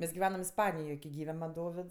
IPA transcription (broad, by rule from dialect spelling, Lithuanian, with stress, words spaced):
ˈmʲɛs ɡʲɪˈʋʲæːnɐm ɪsˈpɑːnʲɪjoːj kʲɪ ˈɡʲiːʋʲɛ mɐn ˈdoːʋʲɪts